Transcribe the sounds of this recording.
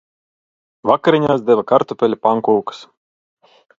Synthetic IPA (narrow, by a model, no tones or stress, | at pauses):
vakaɾʲinʲaːsd̪ɛvakaɾt̪upʲɛlʲipaŋkɔwkɨ̥s